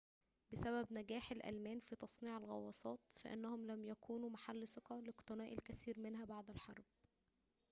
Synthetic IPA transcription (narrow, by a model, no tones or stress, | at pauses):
bɪsæbæbnæɡæːħælʔæ̰lmæːnfit̪ɑsˤniːʕelɣɑ̰wːɑsˤɑːt̪fæ̰ʔɪ̰nːæhomlæmjækʰuːnumaħalːsɪqɑlɪqt̪ˤɨnæːʔilkæsiːɾmenɦæbaʕd̪ælħɑɾˤb̥̚